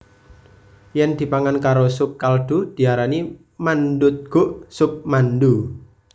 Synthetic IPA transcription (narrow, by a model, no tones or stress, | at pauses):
jɛnd̪̥i̤paŋankaɾosʊkːalɖ̪̥ud̪̥i̤aɾani | mand̪ʊt̪̚ɡ̥ʊʔsʊk̚mand̪u